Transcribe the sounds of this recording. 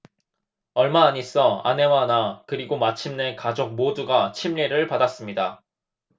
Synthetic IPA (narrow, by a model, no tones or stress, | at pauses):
ʌɭmaːɲis͈ʌa̰ne̞wanakɯɾiɡomat͡ɕʰimne̞kad͡ʑok̚moduɡat͡ɕʰimʎiɾɯɭpadas͈ɯmɲida